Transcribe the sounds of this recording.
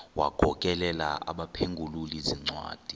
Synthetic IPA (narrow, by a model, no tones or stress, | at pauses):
waɡ̥ʱɔkʼɛlɛlaa̰ɓapʰeŋɡʱululiziŋ͡ǀwa̰ːd̥ʱi